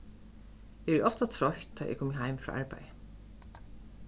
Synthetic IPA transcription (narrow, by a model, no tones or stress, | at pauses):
ʔɛɛɹɔft̪at̪ʰɾɔçt̪ʰːɔːʔɛ̰kʰuːmɪɦajmfɾɔ̰ːʔa̰ɹpa̰jə